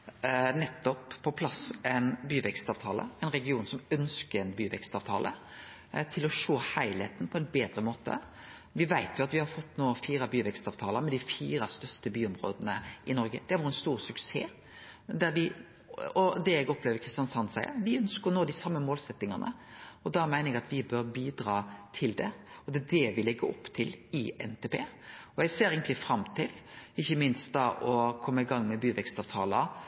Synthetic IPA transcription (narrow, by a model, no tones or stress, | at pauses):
nɛt̪ːɔpːʰɔpʰlɑsɛnbyːʋɛkst̪ɑːʋt̪ʰɑːlə̰ɛɪnɾɛɡɪuːnsɔmœnskəɾɛnbyːʋɛ̰kst̪ɑːʋt̪ʰɑːlʔə̰ | t̪ʰɪlɔʂoːhæɪlhḛːt̪n̩pʰɔɛnbeːd̪ɾəmoːt̪ə̰ | ʋɪʋæɪt̪jʊɑt̪ʋɪhɑɾfɔt̪ːnoːfiːɾɑbyːʋɛkst̪ɑːʋt̪ʰɑːləɾmɛd̪ɪfiːɾɑst̪œst̪əbyːɔmɾo̰ːd̪ənəʔɪnɔɾɡə̰d̪̥ɛhɑʋɔɾɛnst̪uːʁsʉksḛː | d̪æɾʋɪ | ɔd̪ɛɛɡɔpʰleːʋəɾkʰɾɪst̪jɑnsɑnsæɪə̰ʋɪœnskəɾɔnoːd̪ɪsɑmːəmoːlsɛt̪ːɪŋɑnʔə̰ɔd̪ɑmæɪnəɾɛɡɑt̪ʋɪbœɾbiːd̪ɾɑːt̪ʰɪld̪ɛ̰ɔd̪ɛːd̪ɛʋɪlɛɡːəɔpːt̪ʰɪlɪɛ̰nt̪ʰeːpʰeːɔɛɡseːɾeɡənt̪lɪfɾɑmt̪ʰɪlɪçːəmɪnst̪̚d̪ɑʔɔkʰɔmːəɪɡɑŋːmɛbyːʋɛkst̪ɑːʋt̪ʰɑːlə